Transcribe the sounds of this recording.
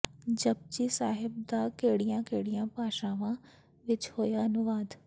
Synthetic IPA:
d͡ʒɐb̚d͡ʒisaːɦɪb̚d̪akeːɽijãkeːɽijãpaːʃãːʋã | ʋɪt͡ʃhoːjaɐnʊʋaːd̪

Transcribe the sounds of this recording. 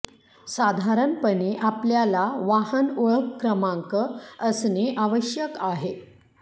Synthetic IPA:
sad̪ʱaɾənpəneʔapljalaʋaɦənuɭəkːɾəmãŋkəəsneʔaʋəɕjəkaɦe

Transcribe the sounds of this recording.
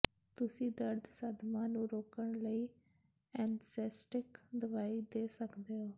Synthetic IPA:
t̪ʊsĩːd̪əɾd̪səd̪mãːnũːɾoːkəɳləiː | ɛ̃ːnsɛːsʈɪkd̪əʋaːid̪eːsəkd̪eːɦoː

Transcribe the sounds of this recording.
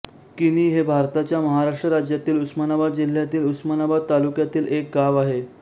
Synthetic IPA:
kiniɦebʱaɾt̪at͡ɕjaməɦaɾaʂʈɾəɾad͡ʑjat̪iːlusmanabad̪̚d͡ʑil̤ːjat̪iːlusmanabad̪̚t̪alukjat̪iːlek̚ɡaʋaɦe

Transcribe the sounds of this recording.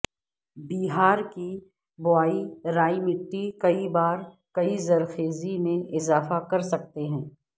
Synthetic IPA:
biːɦaːɾki | bʊaːiɾaːimɪʈːikɐibaːɾ | kɐizɐɾxeːzimẽʔɪzaːfakɐɾsɐk̚t̪eɦɛ̃ː

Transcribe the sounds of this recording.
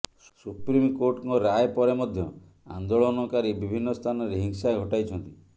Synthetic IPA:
ssupɾimkoɾʈkɔɾajepɔɾemɔd̪ʱjɔ | a̰nd̪oɭɔnɔkaɾibibʱinːɔst̪ʰanɔɾeɦiŋsaɡʱɔʈajt͡ʃʰɔnt̪i̥

